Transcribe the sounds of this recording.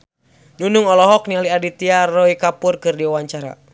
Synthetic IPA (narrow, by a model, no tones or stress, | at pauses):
nunuŋɔlɔɦɔk̚nialiadit̪iarɔikapurkɨrdiawaɲt͡ʃaɾa̰